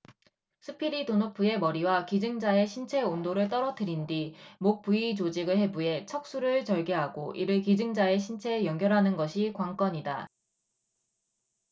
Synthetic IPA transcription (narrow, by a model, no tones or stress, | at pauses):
sʰɯpʰiɾitonopʰue̞mʌɾiwakid͡ʑɯŋd͡ʑae̞ɕʰint͡ɕʰe̞ondoɾɯɭt͈ʌɾʌtʰɯɾindimok̚p͈uit͡ɕod͡ʑiɡɯɭɦe̞bue̞t͡ɕʰʌk̚s͈uɾɯɭt͡ɕʌɭɡe̞ɦaɡoʔḭɾɯɭkid͡ʑɯŋd͡ʑae̞ɕʰint͡ɕʰe̞jʌŋɡjʌɾɦanɯnɡʌɕʰikwaŋk͈ʌɲida̰